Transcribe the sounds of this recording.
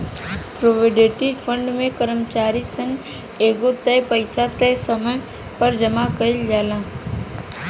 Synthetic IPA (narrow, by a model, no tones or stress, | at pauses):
pɾoːʋeɖeːʈeɖpʰə̃ɳɖmẽkəɾəmt͡ʃaːɾisən | eːɡot̪ɛjpəɪsat̪ɛːsəmə | pəɾd͡ʒəmakəɪld͡ʒaːlãː